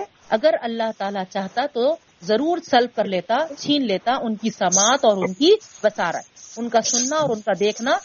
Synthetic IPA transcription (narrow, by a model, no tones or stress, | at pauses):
ɐɡəɾɐlːaɦt̪aːlat͡ʃaːɦt̪at̪o | zɐɾuːɾsɐlb̚kɐɾleːt̪at͡ʃʰiːnleːt̪aʔʊnkisɐmaːt̪ɔːɾʊnkibɐsaːɾə̰t̪ʊnkasʊnːaɔːɾʊnkad̪eːkʰna